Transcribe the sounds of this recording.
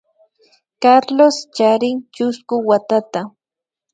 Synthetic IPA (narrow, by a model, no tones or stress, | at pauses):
kaɾlost͡ʃaɾɪŋt͡ʃʊskʊwat̪at̪a